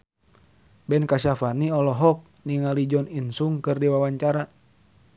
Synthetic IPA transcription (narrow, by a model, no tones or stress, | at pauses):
bɛnkasafaniɔlɔɦɔk̚niŋalid͡ʒɔninsuŋkɨrdiwawaɲt͡ʃaɾa